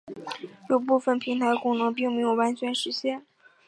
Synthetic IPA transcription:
lu˥˧pu˥˩fə˨˩npʰi˧˥ŋt̪ʰa˧˥ɪkʊ˥ŋnɤ˧˥ŋp̬i˥˧ŋm˧˥jo˨˩ʊwa˧˥nt͡ɕʰɥɛ˧˥nʂɻ̩˧˥ɕjɛ˥˩n

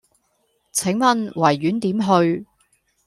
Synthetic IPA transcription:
t͡sʰɪ˨˥ŋmɐ˨nwɐ˨˩jːyː˨˥nt̪iː˨˥mɦɵ˧ɥ

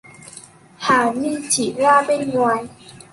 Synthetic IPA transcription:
haː˨˦miː˧˨t͡ɕʰi˨˩laː˥˩pe˧˩nŋwaː˧j

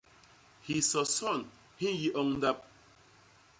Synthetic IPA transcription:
hi˨sɔ˨sɔ˦˨n | hi˦ji˦ʔɔ˦ŋn̩˦da˦p̚

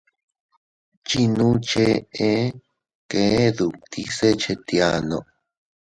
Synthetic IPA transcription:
t͡ʃi˧nũ˦t͡ʃe˧ẽ˦ | ke˧˨˦ðu˨t̪ʰi˦se˦t͡ʃe˧t̪ja˧nõ̰˧˨

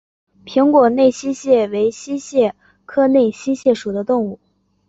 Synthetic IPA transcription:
pʰi˧˥ŋkwɔ˨˩ne˥˩ɪɕi˥ɕjɛ˥˩we˧˥ɪɕi˥ɕjɛ˥˩ | kʰɤ˥ne˥˩ɪɕi˥ɕjɛ˥˩ʂu˨˩d̪ə˦t̪ʊ˥˧ŋu˥˩

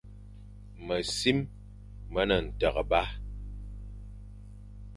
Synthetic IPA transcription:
mə˨si˦mː | ə˦nə˨n̩˨tə˨ɣə˨ba˦

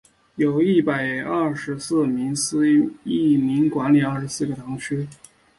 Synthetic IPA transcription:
jo˨˩ʊi˥˩pa˨˩ɪɐ˥˩ʂɻ̩˧˥sɹ̩˥˩mi˧˥ŋsɹ̩˥i˥˩mi˧˥ŋkwa˧˥nli˨˩a˞˥˩ʂ̩˧˥sɹ̩˥˩ɡə˩t̪ʰɑ˧˥ŋt͡ɕʰy˥

